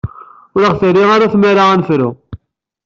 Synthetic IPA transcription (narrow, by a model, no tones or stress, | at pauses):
ʊɾəʁθəɾːiʁaɾaθmæɾaʁænfɾu